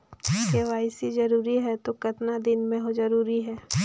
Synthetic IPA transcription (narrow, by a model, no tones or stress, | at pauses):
keʋaːɪsizɐɾuːɾiɦɛt̪okɐt̪nad̪ɪnmẽɦozɐɾuːɾiɦɛː